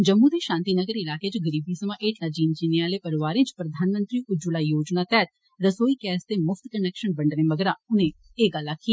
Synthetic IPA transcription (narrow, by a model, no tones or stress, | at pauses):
d͡ʒəmːũd̪eʃãːnt̪inəɡəɾɪlaːket͡ʃɡəɾiːbisəmãʔeːʈʰlad͡ʒiːnd͡ʒineaːlepəɾʋaːɾɪ̃t͡ʃpɾəd̪ʱaːnmə̃nt̪ɾiʔʊd͡ʒʊlaːjoːd͡ʒnaːt̪ɛːt̪̚ | ɾəsoːikɛːst̪emʊfʰt̪kənɛːkʃənbə̃ɳɖnẽməɡɾaʊnẽ | eːɡalːakʰːija